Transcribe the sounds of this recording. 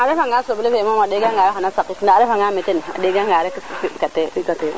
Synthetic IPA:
aɾefaŋɡasoblefemamadeɡaŋɡaɾehanasakikinaɾefaŋɡametena̰deɡaŋɡaɾekfkatekate

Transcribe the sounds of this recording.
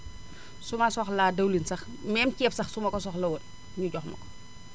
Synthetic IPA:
sumasɔxladɐwlinsɐx | mɛːmcɛːpsɐxsumɐkɔsɔxlɐwɔl | ɲuɟɔxmɐ̰kɔ̥

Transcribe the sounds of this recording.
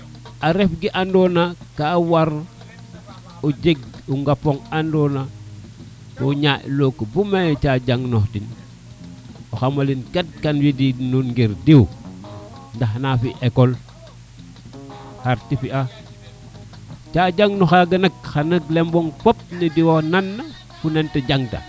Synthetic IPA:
aɾefɡiʔandonakawaɾ | oɟeɡ̚uŋɡapoŋandona | toɲaʔlokbumajt͡ʃaɟaŋnoxtin | oxamalinkat̚kanwidinunɡiɾdew | ndaxnafiʔekol | xaɾtifia | t͡ʃaɟaŋnoxaɡɐnak̚xanɐɡlemboŋfop̚nidiwananːa | funenteɟaŋta̰

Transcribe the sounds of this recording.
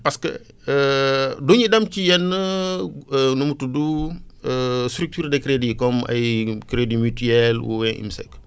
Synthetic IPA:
pɐskə̰ | duɲidɐmcijɛnːə | numutudu | stɾuk̚tuːɾdɛkɾedikɔmɐ̰jkɾedimytyɛlwṵwɛnʔḭmsɛ̰k

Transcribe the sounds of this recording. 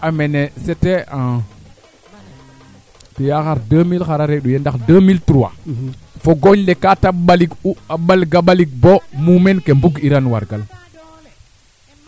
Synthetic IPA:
amenesetea | tijaxaɾdəmilxaɾaɾeɗujendakdəmiltuɾuwa̰foɡoɲlekataɓaliɡuaɓalɡaɓaliɡ̚bomumenkembuɡiɾanwa̰ɾɡal

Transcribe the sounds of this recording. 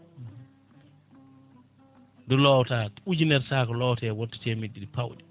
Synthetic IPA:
dɔlɔwtaːtud͡ʒinɛɾsaːkɔlɔwtɛːwɔtːɔ̥tɛmidːiɗipawɗɛ

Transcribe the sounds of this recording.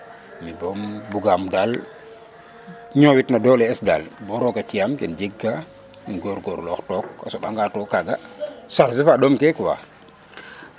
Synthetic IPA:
mibɔmbuɡamdal | ɲɔwitnadɔlɛɛsda̰lbɔɾɔkat͡ʃiamkḭnd͡ʒiɡːa | kinɡoɾɡoɾlɔxtɔka̰soɓaŋɡatɔkːaɡa̰saɾsifaɗomkɛkuwa̰

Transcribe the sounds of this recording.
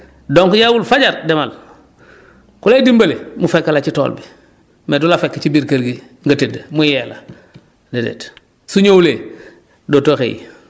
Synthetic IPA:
doŋkujawulfaɟaɾdemal | kuleidimbɐlemufekːalat͡ʃito̰ːlbi | medulafekːet͡ʃibiɾkalɡi | ŋɡɐtedmujela | dedḛt | suɲowule | doːtoːxḛjḭ

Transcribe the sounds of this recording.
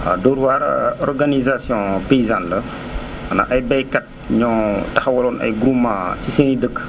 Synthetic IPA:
a̰dɔɾwaːɾɔrɡanizasjɔ̃pejizãnlɐ | ɐna̰ʔɐjbɛjkat̚ | ɲɔ̃tɐxwɐlɔːnɐ̰jɡɾumãsisenidəkː

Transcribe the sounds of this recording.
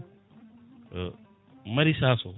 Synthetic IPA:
mɐɾisaːso

